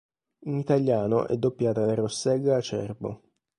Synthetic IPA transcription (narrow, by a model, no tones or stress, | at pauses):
init̪alːjaːno̰ʔɛ̰d̪ːopːjaːt̪alarosːɛɡaːt͡ʃːɛ̰rbo̰